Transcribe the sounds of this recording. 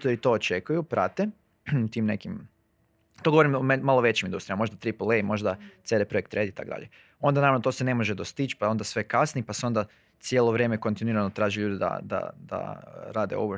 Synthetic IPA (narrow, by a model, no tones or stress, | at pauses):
t̪oɾit̪o̞ot͡ʃekujupɾʔat̪e | t̪imne̞kim | t̪o̞ɡooɾimommalˠoʋe̞t͡ɕimind̪ust̪ɾimamo̞ʒd̪at̪ɾipolˠeimo̞ʒd̪at̪sed̪epɾojekt̪ɾed̪it̪a̰kod̪a̰ʎe | o̞nd̪anaɾaʋnot̪oːsene̞mo̞ʒed̪ost̪it͡ʃpao̞nd̪asʋe̞kasnipaseo̞nd̪a | sjelˠoʋɾʲjeːmeko̞nt̪inuiɾanot̪ɾaːʒiʎuːd̪id̪a̰d̪a̰d̪̥a̰ɾaːd̪ḛo̰ʋo